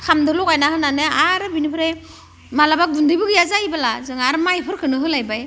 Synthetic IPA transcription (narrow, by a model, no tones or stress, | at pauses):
kʰamdɯlɔkajnahɯnanɯaɾɯbinipʰɯɾe | malabak̚dundɯbɯɡɯjazajbalazɯŋaɾmajpʰɯɾkʰɯnɯɦɯlajbaj